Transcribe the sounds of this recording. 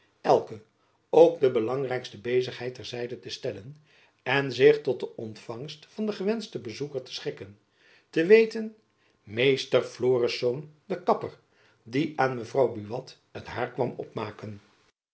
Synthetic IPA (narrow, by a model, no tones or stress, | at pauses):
ɛlˠkə | owɡ̚dəbəlɑŋrɛjkstəbejzəχɦɛjtɛɹzɛjdətəstɛlən | ɛnzɪχtɔt̚dəɔntfɑŋstfɑndəχəʋɛnstəbəzukəɹtə̥sχɪkən | təʋejtən | mejstərfloːrəsowndəkɑpər | diʔaːnməvrɑwbyʋɑt | ətɦaːɹkʋɑmɔ̰pmaːkən